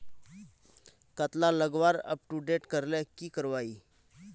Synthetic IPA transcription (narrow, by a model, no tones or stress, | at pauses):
kət̪laləɡʋaɾə̰p̚ʈuɖeʈkəɾlɛkiːkəɾʋaiː